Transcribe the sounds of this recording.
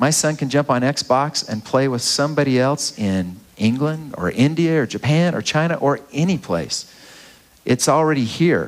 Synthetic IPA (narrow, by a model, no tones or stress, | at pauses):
maɪsʌ̃nkɨ̃nd͡ʒʌ̃mpn̩ɛksb̥ɑksɨ̰̃npʰl̥eɪwəð̥sʌ̃mbɑɾiɛlˠsɪ̃nɪ̃ŋɡlə̃ndə̰˞ʔɪ̃ndiɨə˞d͡ʒɨpʰæ̃nə̰˞t͡ʃʰãɪ̃ñɨʔə˞ɛñipʰl̥ḛɪs | ʔɨtsl̩ˠɹɛɾihiɹ